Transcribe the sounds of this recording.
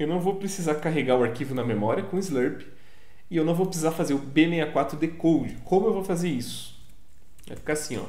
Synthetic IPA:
ewnɐ̃w̃vowpɾesizaɾkaɦeɡaɾʊaɾkivʊnɐmemɔɾiɐkõizleɾpɪ̥ | ɪewnɐ̃w̃vowpɾɪsizaɾfazeɾʊbemejakwat̪ɾʊd̪ekowd͡ʒɪkõmʊewvowfazeɾisʊ̥ | ɛ̰fi̥kasĩɔ̰

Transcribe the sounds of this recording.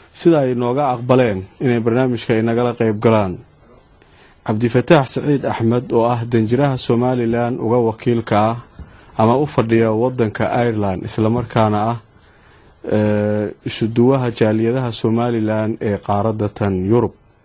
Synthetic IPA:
sɪðɐɛjnɔːɣɐɑqbɐlɛːnɪnɛjbɐrnaːmɪt͡ʃkʰɐɪnɐɣɐlɐqɛjb̚ɡɐlaːn | ʕɑbd̪ɪfɐt̪ʰaːħsɐʕiːd̪ɑħmɐd̪ɔːɐɦd̪ɐnt͡ʃɪɾɐɦɐsɔːmaːlɪlaːnʊ̰ɣɐwɑkʰiːlkʰɐːhɐmɐʊfɐɖɪjɐwɑd̪ːɐŋkʰɐʔɐjrland̪ɪ̰slɐmɐrkʰaːnɐɐh | ɪʃʊd̪ʊwɐɦɐt͡ʃaːlɪjɐðɐɦɐsɔːmaːlɪlaːnɛːqɑːɾɐd̪ɐt̪ʰɐnjʊɾʊb̚

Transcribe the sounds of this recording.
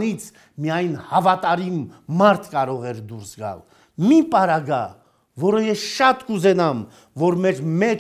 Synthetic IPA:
nit͡sʰ | mijɑjnhɑvɑt̪ɑɾimmɑɾt̪ʰkɑɾɔʁɛɾd̪uɾsɡɑ̰l | mipɑɾɑɡɑ | vɔɾəjɛsʃɑt̪kuzɛnɑm | vɔɾmɛɾmɛ

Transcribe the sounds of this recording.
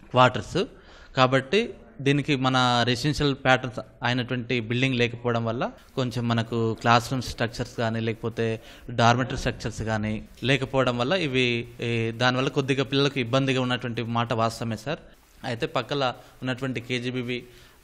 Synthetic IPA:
kʋaːɾʈɐɾs | kaːbɐʈːi | d̪iːnikimɐnɐɾesenʂɐlpaːʈɐɾnsɐːjɐnɐʈuʋɐɳʈibilɖiŋɡlɛːkɐpɔːʋɐɽɐmʋɐlːɐ | ko̞ɲt͡ʃe̞mːɐnɐkuklaːsɾumsʈɾɐk̚t͡ʃɐɾskaːniːlɛːkɐ̥poːt̪e̞ː | ɖaːɾmiʈɐsʈɾɐk̚t͡ʃɐɾsɡaːniːlɛːkɐpɔːʋɐɽɐmʋɐlːɐiʋi | d̪aːniʋɐlːɐko̞d̪ːiɡaːpilːɐlɐkuibːɐnd̪iɡaːunːɐʈuʋɐɳʈimaːʈɐʋaːst̪ɐmɛːsaːɾu | ɐjt̪e̞ːpɐkːɐlɐ | unːɐʈuʋɐɳʈikeːd͡ʒibiːʋi

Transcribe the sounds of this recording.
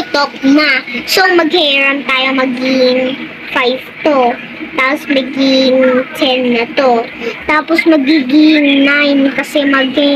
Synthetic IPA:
ʊt̪ok̚nɐsoŋmɐɡ̚hɛːɹɐmt̪aːjomɐɡɪŋ | fajvt̪o | t̪aːosmɐɡɪŋt̪ʰɛnːɐt̪o̞t̪aːposmɐɡiɡɪŋnajnkɐsɛmɐɡɛ

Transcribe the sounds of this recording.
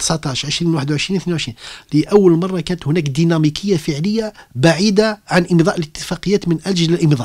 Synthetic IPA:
t̪əsʕt̪ɑʕʃʕəʃɾinwaħəd̪wʕəʃɾinwθninwʕəʃɾinləʔæwːəlmɑrˤːɑkænət̪hʊnækd̪inæmikʰəjːafəʕləjːabaʕid̪aʕanʔəmd̪ˤɑʔələt̪ːəfæqəjːæt̪mənʔælʒələlʔəmd̪ˤɑʔ

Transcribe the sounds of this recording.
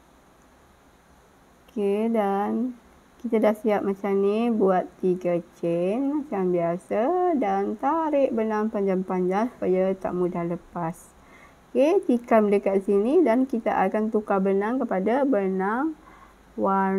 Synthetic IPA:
okʰedan | kit̪adaʔsiap̚mat͡ʃamnibuat̪ːiɡat͡ʃɛnmat͡ʃambiasadant̪aɾɪʔbənaŋpaɲd͡ʒaŋpaɲd͡ʒaŋsu̥pajat̪a̰ʔmũdahləpas | oket̪ikamdəkaʔsinidankit̪a̰ʔakant̪ukabənaŋkəpadabənaŋ | wa

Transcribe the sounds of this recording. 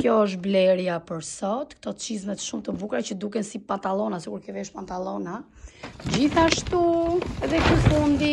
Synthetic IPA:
kjɔəʃblɛɾjapəɾsɔt̪kt̪ɔt̪t͡ʃizmɛt̪ʃumt̪əbukɾat͡ɕəd̪ukɛnsipant̪alˠɔnasikuɾkɔvɛʃpant̪alˠɔna | d͡ʑiθaʃt̪uɛðɛkufund̪i

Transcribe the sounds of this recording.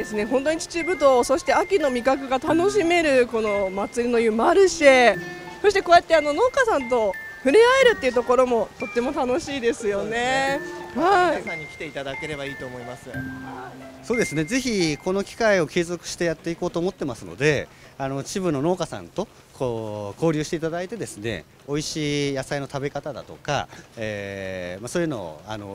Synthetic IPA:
esɨne̞ɦõ̞nt̪̬o̞ɲ̟it͡ɕi̥t͡ɕɨbɯ̟d̪o̞ːso̞ɕi̥t̪e̞akʲino̞mʲikakɯ̟ɡat̪ano̞ɕ̬ime̞ɾɯ̟ko̞no̞mat͡sɨɾʲino̞jɯ̟maɾɯ̟ɕe | so̞ɕit̪e̞koːjat̪ːe̞ano̞no̞ːkasãnt̪̬o̞ | ɸɯ̟ɾʲiae̞ɾɯ̟t̪ːeiɯ̟t̪o̞ko̞ɾo̞mo̞t̪o̞t̪ːe̞mo̞t̪ano̞ɕiːd̪e̞sɨjo̞ne̞haisaɲ̟ikʲi̥t̪e̞it̪ad̪ake̞ɾe̞baiːt̪o̞ːmo̞imasɨ | soːd̪e̞sɨne̞ze̞çʲiko̞no̞kʲi̥kaio̞kʲe̞ːzo̞kɯ̟̥ɕi̥t̪e̞jat̪ːe̞iko̞ːt̪oːmo̞t̪ːe̞masɨno̞̰d̪e̞ | ano̞t͡ɕibɯ̟nːo̞no̞ːkasã̰nt̪o̞ | kʰo̞ːko̞ːɾʲɯːɕi̥t̪e̞it̪ad̪ait̪e̞d̪e̞sɨne̞̰ | o̞iɕiːjasaino̞t̪abe̞kat̪ad̪a̰t̪o̞ka̰eːmasoːjɯ̟no̞̰o̰a̰no̞̰

